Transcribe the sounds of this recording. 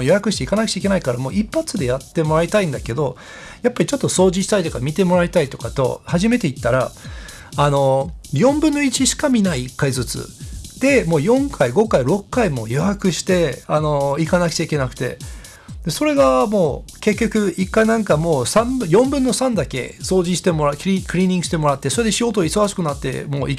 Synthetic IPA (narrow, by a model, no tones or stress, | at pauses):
ojo̞jakɯ̟ɕi̥t̪e̞ikanakɯ̟̥t͡ɕaik̬e̞naikaɾamo̞ːʔipːat͡sɨd̪e̞jat̪ːe̞mo̞ɾait̪aĩnd̪ake̞d̪o̞ | japːaɾʲit͡ɕo̞t̪ːo̞so̞ːʑiɕi̥t̪ait̪o̞kamʲit̪e̞mo̞ɾait̪ait̪o̞̥kat̪o̞̰haʑime̞t̪e̞it̪ːaɾaː | no̞jõ̞mbɯ̟̃nːo̞it͡ɕiɕi̥kamʲinaiːkːaizɨt͡sɨ̰d̪̥e̞mo̞ːjõ̞ŋkʰaiɡo̞kaiɾo̞kːaimo̞̰ːjoakɯ̟ɕi̥t̪e̞ano̞ikanakɯ̥t͡ɕaike̞nakɯ̟̥t̪e̞̰ | d̪̥e̞so̞ɾe̞ɡamo̞ːke̞kʲːo̞kɯ̟ikːainãŋkamo̞ːsãmbɯ̟jõ̞mbɯ̟̃nːo̞sãnd̪ake̞̰so̞ːʑiɕi̥t̪e̞mo̞ɾakikɯ̟ɾʲĩːɲ̟ĩŋɡɯ̟ɕi̥t̪e̞mo̞ɾat̪ːe̞so̞ɾed̪e̞ɕijo̞ːt̪oiso̞ɡaɕi̥kɯ̟nat̪ːe̞̰mo̞ːi